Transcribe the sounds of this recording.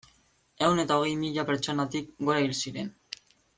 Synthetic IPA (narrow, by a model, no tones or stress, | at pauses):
ewnet̪aoɣejmiʎapeɾt͡ʃonat̪ik̚ɡoɾailsiɾen